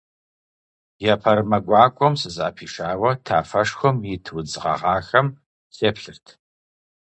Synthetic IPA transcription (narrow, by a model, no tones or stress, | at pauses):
jɛpʰɐɾɨmɐɡʷɑːkʷʼɔmsɨza̰ːpʰiːʂaːwɐtʰa̰ːfɐʂxʷɔmjɪtʰwʊd͡zɨʁɐ̰ʁɑːxɐm | sʼeːpɬɨrtʰ